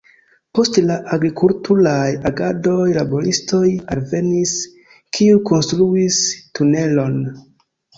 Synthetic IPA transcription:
po̞stlaʔaɡɾikʰultuɾajaɡado̞jlabo̞ɾisto̞jalve̞nis | kʰiuko̞nstɾuistune̞lo̞n

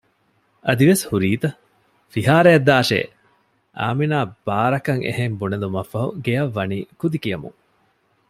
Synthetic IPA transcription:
ʔɐd̪iʋeshuɾiːt̪ɐ | fiɦaːɾeɐd̪ːaːʃḛː | ʔa̰ːminaːb̥aːɾɐkɐŋḛhembunelumɐfɐɦṵɡejɐʋːɐniːkud̪ikijɐmṵŋ

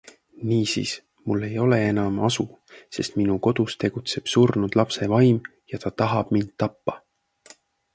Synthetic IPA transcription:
niːsḭːs | mulːe̞jo̞le̞enɑmɑsuse̞st̪minuko̞d̪̥ust̪e̞ɡ̥ut̪se̞b̥surnud̪̥lɑpse̞vɑjmjɑt̪ɑt̪ɑɦɑb̥mind̪̥̚t̪ɑpːɑ̥

